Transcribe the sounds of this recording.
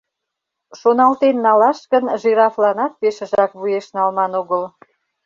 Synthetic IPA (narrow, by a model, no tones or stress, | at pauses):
ʃonɑlt̪enːɑlɑʃkənʒiɾɑflɑnɑt̪̚peʃə̆ʒɑkβujeʃnɑlmɑnoɣəl